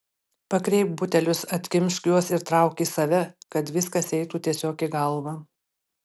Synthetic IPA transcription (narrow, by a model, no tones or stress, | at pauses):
pɐkɾʲɛɪp̚bʊt̪ʲɛlʲʊsɐt̪ʲkʲɪmʲʃʲkʲjuɔsɪɾt̪ɾɑˑʊkʲiːsɐʋʲɛkɐt̪ʋʲɪskɐsɛɪt̪uːt̪ʲiɛsʲoːkʲiɡɐlˠʋɐ